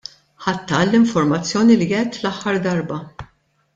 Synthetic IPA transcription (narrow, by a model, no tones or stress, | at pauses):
ħɐt̪ːɐːlːɪɱfɔɾmɐt͡sːjɔːnilijɛːt̪ːlɐħːɐɾd̪ɐɾbɐ